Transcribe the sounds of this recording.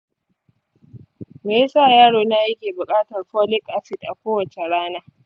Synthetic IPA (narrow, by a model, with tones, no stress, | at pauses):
meː˨je˦saː˦˨jaː˦ɽoː˨na˦jɐ˦kʲeː˨bʊ˨kʼaː˦tɐ˨rɸoː˦lɪ˦kʼʔa˦sɪ˨tʔa˨kʷoː˦wɐ˨t͡ʃe˨ɽaː˦naː˦